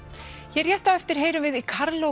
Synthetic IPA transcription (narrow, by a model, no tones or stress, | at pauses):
jɛrjɛht̪avɛft̪ɪɾ̥ɦeːjɾʏmvɪðikʰaɾlo